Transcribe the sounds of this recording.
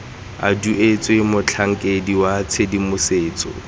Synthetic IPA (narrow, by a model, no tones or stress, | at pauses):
a̰duet͡sʼɔɪmʊt͡ɬʰaŋ̩kʼediwat͡sʰedimʊseːt͡sʼɔ̰